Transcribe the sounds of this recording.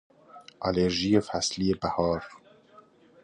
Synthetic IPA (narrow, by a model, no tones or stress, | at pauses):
ʔɑleɾʒijeːfæslijeːbæhɑːɾ